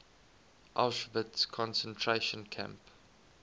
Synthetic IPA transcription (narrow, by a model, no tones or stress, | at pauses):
ʔa̰lʃvətskʰɔ̃nsə̃ntʰɹeʃə̃nkʰæ̰̃mp